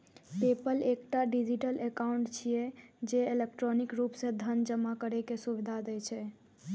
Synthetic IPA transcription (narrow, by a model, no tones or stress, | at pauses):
pepəlekʈaɖid͡ʒiʈəlʔekaʊɳʈt͡ʃʰijed͡ʒeelekʈɾonikɾupsẽd̪ʱənd͡ʒəmːakəɾekesubid̪ʱad̪ɛjt͡ʃʰɛ